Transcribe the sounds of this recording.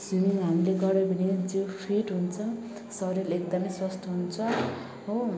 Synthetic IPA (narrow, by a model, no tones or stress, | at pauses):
swimiŋɦamileɡʌɾʌbʱʌnid͡zopʰiʈɦunt͡sʰʌ | sʌɾelekd̪ʌmʌjswʌst̪oɦunt͡sʰʌ | ɦo